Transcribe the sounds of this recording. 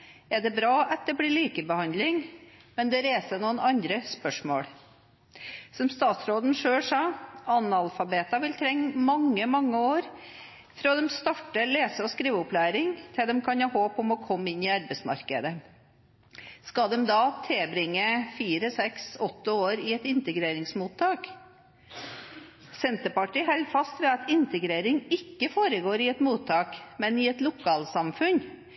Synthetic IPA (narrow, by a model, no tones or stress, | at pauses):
ɛɖɛbɾɑːʔɑt̪̚d̪ɛbɽiɭiːkəbəhɑnd̪lɪŋmɛnd̪ɛɾeːsənuːənɑnd̪ɾəspœʂmo̰ːɽ | sɔmst̪ɑːt̪sɾoːd̪n̩ʂøːɽʂɑːɑnɑlfɑbeːt̪ɑʋɪlt̪ʰɾɛŋːmɑŋːəmɑŋːəoːɾ | fɾɑːd̪ɛmst̪ɑʈːəleːsəɔskɾiːʋəʊplæːɾɪŋt̪ʰɪld̪ɛmkʰɑnhɑːhoːpɔmɔkʰɔmːɪnːɪɑɾbəsmɑ̰ɾkə̰d̪ə | skɑd̪ɛmd̪ɑːt̪ʰɛbɾɪŋːəfiːɾəsɛksɔt̪ːəoːɾɪɛt̪ɪnt̪əɡɾeːɾɪŋsmuːt̪ʰːɑːk | sɛnt̪əpɑʈiːhɛlfɑst̪ʋɛɑt̪ɪnt̪əɡɾeːɾɪŋɪkːəfoːɾəɡoːɾɪɛt̪muːt̪ʰːɑːkmɛnɪɛt̪lʊkʰɑːlsɑmfʉn